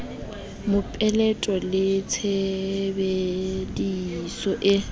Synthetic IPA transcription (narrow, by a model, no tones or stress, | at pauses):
mʊpʼɛlɛtʼɔlɪt͡sʰebedisɔʔɪ